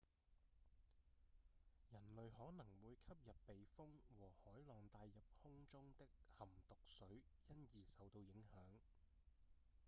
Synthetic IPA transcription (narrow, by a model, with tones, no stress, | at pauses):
jɐ˨˩nlɵ˨ɥhɔː˨˥nɐ˨˩ŋwuː˨˧jkʰɐ˥p̚jɐ˨pːe˨jfʊ˥ŋwɔː˨˩hɔː˨˥jlɔː˨ŋt̪aː˧jjɐ˨p̚hʊ˥ŋt͡sʊ˥ŋt̪ɪ˥k̚hɐ˨˩mt̪ʊ˨k̚sɵ˨˥ɥjɐ˥njiː˨sɐ˨wt̪o˧wjɪ˨˥ŋhœː˨˥ŋ